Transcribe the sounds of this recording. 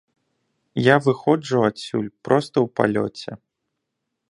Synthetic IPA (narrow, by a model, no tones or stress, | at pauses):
javɨxɔd͡ʐuat̪sʲṵlʲpɾɔst̪ɐwpa̰lʲɔ̰t͡sʲɛ